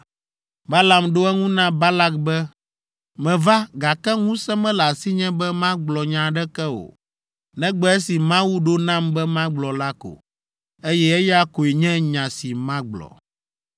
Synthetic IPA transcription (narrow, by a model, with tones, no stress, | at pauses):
ba˦la˨mɖo˦ɛ˦ŋũ˦nã˦ba˦la˦kbɛ˦ | mɛ̃˨va˦ɡa˨kɛ˦ŋũ˦sɛ̃˦mɛ̃˦la˨si˦ɲɛ̃˦bɛ˦mã˦ɡ͡blɔ˨ɲã˨ɖɛ˦kɛ˦o̰˨ | nɛ̃˦ɡ͡bɛ˦ɛ˦si˨mã˦wu˦ɖo˦nã˦mbɛ˦mã˦ɡ͡blɔ˨la˦ko̰˨ | e˦jɛ˦ɛ˦jɛ˦a˦ko˨i˨ɲɛ̃˦ɲã˨si˨mã˦ɡ͡blɔ̰˨